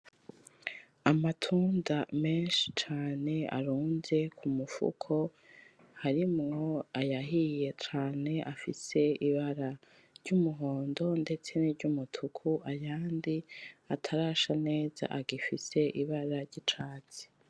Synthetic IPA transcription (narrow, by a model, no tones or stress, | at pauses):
amatʰuːndame̞ːnʃi̥t͡ʃaːne̞a̰ɾuːnze̞kʰumufṵkʰo̞ | haɾimŋo̞ajaɦije̞t͡ʃaːne̞ʔafise̞iβaɾa | ɾɟumuɦo̞ːndo̞nde̞t͡se̞niɾɟumutʰukʰuajaːndiatʰaɾaʃane̞ːza̰ʔaɡifise̞ʔiβaɾaɾɟit͡ʃaːt͡si̥